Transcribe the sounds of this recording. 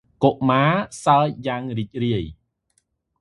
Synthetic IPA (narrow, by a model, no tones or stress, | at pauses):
koʔmaːsaəc̚jaːŋriːc̚riəj